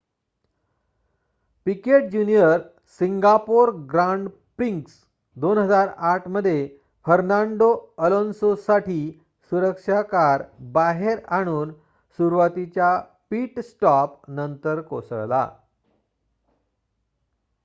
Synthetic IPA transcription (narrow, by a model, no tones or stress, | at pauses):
pikeʈ̚d͡ʑunijəɾ | siŋɡapoɾɡɾaɳɖ | pɾiŋks | d̪onɦəd͡zaɾaʈʰməd̪ʱːje | fəɾnaɳɖoəlonsosaʈʰiː | suɾəkʂakaɾbaɦeɾaɽ̃uːn | suɾʋat̪it͡ɕja | piːʈsʈɔpnənt̪əɾko̰səɭla̰